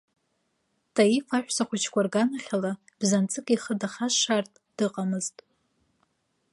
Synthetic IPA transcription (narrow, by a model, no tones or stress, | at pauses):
tʰʼaifaħʷᶣsaχʷʊt͡ʃʰkʷarɡanaχʲala | b̥zant͡sʼɨkʼiχədaχaʃartʼd̥ɨqʼamɨztʼ